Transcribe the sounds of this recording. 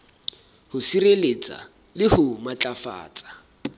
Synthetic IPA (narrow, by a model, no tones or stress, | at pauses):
hʊsirelet͡sʼa̰ | lɪhʊmat͡ɬʼafa̰ːt͡sʼḁ